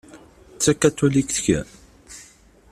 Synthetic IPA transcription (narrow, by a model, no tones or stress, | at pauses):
t͡sːækːæt̪ːulikθçæ̰